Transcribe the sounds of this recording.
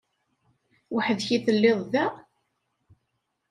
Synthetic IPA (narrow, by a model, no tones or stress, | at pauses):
wəħəðçiθəlːeðˤðæ